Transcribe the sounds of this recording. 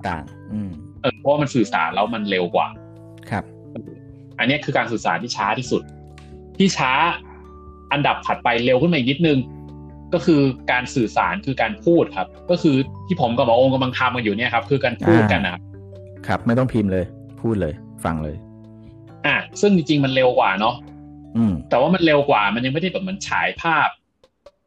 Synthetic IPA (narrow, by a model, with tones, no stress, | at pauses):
t̪a̰ː˨˩ŋ | ʔɯː˧˩m | ʔɤː˧˩pʰɔ˦waː˥˩ma˧nsɯː˨˩sa̰ː˩˦nlɛː˦˥wma˧nle˧wkwa̰ː˨˩ | kʰa˦˥p̚ | ʔ | ʔa˧nːi˦˥ɐkʰɯː˧kaː˧nsɯː˨˩sa̰ː˩˦nt̪iː˥˩t͡ɕʰaː˦˥t̪ʰiː˥˩su˨˩t̪̚ | t̪ʰiː˥˩t͡ɕʰaː˦˥ | ʔa˧nda˨˩p̚pʰa˨˩t̪̚pa˧jle˧wkʰɯ˥˩ma˧˨˩ni˦˥t̪̚nɯ˧ŋ | kɔː˥˩kʰɯː˧kaː˧nsɯː˨˩sa̰ː˩˦nkʰɯː˧kaː˧npʰuː˥˩t̪̚kʰa˦˥p̚kɔː˥˩kʰɯː˧t̪ʰiː˥˩pʰo˩˦mkɔː˥˩pːʔo˧ŋka˧mla˧ŋt̪ʰa˧mka˧njuː˨˩ni˥˩˨ɐ˩kʰa˦˥p̚kʰɯː˧kaː˧npʰuː˥˩t̪̚ka˧nːa˨˩kʰa˦˥p̚ | kʰɾa˦˥p̚ma˥˩jt̪ɔ˥˩ŋpʰiː˧mlɤː˧j | pʰuː˥˩t̪̚lɤː˧j | fa̰˧ŋlɤ̰ː˧j | ʔaː˨˩sɯ˥˩ŋt͡ɕi˧ŋt͡ɕi˧ŋma˧nle˧wkwaː˨˩nɔ˦˥ʔɯː˧˩mt̪ɛː˨˩waː˥˩ma˧nle˧wkwaː˨˩ma˧nja˧ŋm˥˩jda˥˩jbɛː˨˩pma˧nt͡ɕʰa̰ː˩˦jpʰaː˥˩p̚